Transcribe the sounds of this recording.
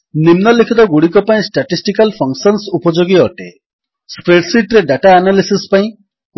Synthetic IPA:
nimnɔlekʰit̪ɔɡuɽikɔpaĩsʈaʈisʈikalpʰɔŋksɔnsupɔd͡ʒoɡiɔʈe | spɾeʈsiʈɾeɖaʈaːnalisispaĩ

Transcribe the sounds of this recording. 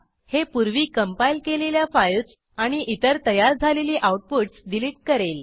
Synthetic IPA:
hepuɾʋiːkəmpailkeleljafajls | aɽ̃iʔit̪əɾt̪əjaɾd͡zʱaleliːʔawuʈ̚poʈsɖiliʈ̚kəɾel

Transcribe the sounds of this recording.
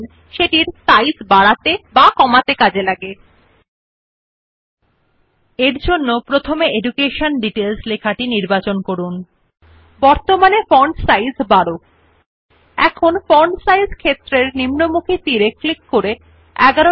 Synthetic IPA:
n | ʃeʈiɾsajsbaɽat̪ebakɔmat̪ekad͡ʑelaɡe | eɾd͡ʑonːopɾot̪ʰomeeɖukeʃonɖiʈelslekʰaʈiniɾbat͡ɕonkoɾun | bɔɾt̪omanefɔɾɳɖsajzbaɽo | ɛ̰kʰonfɔɾɳɖsajzkʰet̪ːɾeɾnimnomukʰit̪iɾeklikːoɾe | ɛɡaɾo

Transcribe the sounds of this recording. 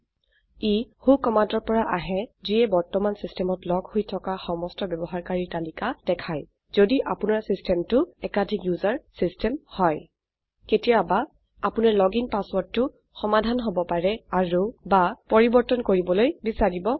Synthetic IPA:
ihukɔmantɔɹpɔɹaʔaɦɛziɛbɔɹtɔmansistɛmɔtlɔɡhojtʰɔkaxɔmɔstɔbɛbɔɦaɹkaɹitalikad̥ɛkʰaj | zodiʔapʊnaɹsistʰɛmtʊɛkadʱikjuzaɹsistɛmhɔj | ketijabaː | pʊnaɹlɔɡiŋpaswɔɹdːʊ | xɔmadʱanɦobɔpaɹɛaɹubapɔɹibɔɹtɔnkoɹibɔlojbisaɹibɔ

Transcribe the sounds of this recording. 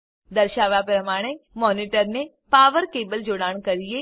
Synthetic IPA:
d̪ɐɾʃaːʋapɾəmaːɽ̃emɔːniʈəɾne | paːʋəɾkeːbəld͡ʒoɽaːɳ̃kɐɾije

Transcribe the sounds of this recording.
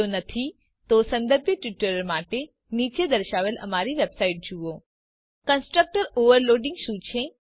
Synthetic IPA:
onət̪ʰi | t̪osə̃nd̪əɾbʱjəʈjuʈəɾəɾmaʈe | nit͡ʃed̪əɾʃaʋelə̰maɾiʋebsaiʈ̚d͡ʒuo | kənsʈɾək̚ʈəɾoʋəɾloɖɪ̃ŋɡʃũt͡ʃʰe

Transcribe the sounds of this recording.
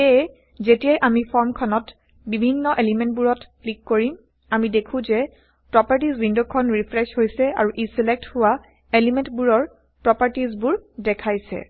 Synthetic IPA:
e | zetijɛjʔamipʰɔɹmkʰɔnɔt | bibʱinːɔʔelimɛntbuɹɔtklikːoɹim | amidekʰũzɛ | pɹɔpaɹtizwindokʰɔnɹipʰɹɛshojsɛa̰ɹuʔisilɛk̚thʊwa | elimɛntbuɹɔɹ | pɹɔpaɹtizbuɹdɛkʰajsɛ̰

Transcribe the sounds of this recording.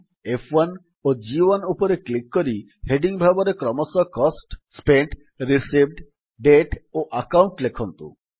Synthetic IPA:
efʰan | od͡ʑibonupoɾeklikːoɾi | heɖiŋbʱabɔɾekɾɔmɔsɔkɔsʈspeɳʈ | ɾisibɖ | ɖeʈoʔakawɳʈlekʰɔnt̪ṵ

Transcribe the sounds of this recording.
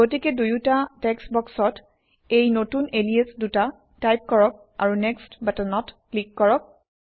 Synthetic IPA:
ɡotikɛdujutatɛksbɔksɔt | ejnotuneliesduta | tajp̚kɔɹɔk̚ | a̰ɹunɛkstbatɔnɔtklikːɔɹɔk̚

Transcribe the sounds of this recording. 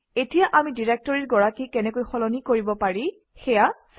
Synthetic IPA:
etijaʔamidiɹek̚tɔɹiɹɡɔɹakikɛnɛkojxɔlɔnikoɹibɔpaɹi | xɛja

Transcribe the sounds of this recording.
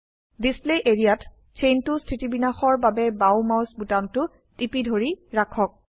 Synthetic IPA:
displeʔeɹijat | t͡ʃʰejntʊstʰɹitibinaxɔɹbabɛbawmawsbutamtʊ | tipidʱoɹiɹakʰɔk̚

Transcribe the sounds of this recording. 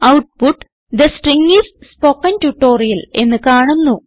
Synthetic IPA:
ɐwʈ̚puʈː | d̪ɐsʈriŋːisspokːɐntuʈːo̞ːrijɐle̞̰nːɨkaːɳunːu

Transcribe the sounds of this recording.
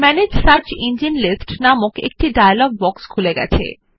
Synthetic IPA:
mɛned͡ʑsaɾt͡ɕind͡ʑinlisʈnamokḛk̚ʈiɖajalɔɡ̚bɔkskʰuleɡɛ̰t͡ɕʰḛ

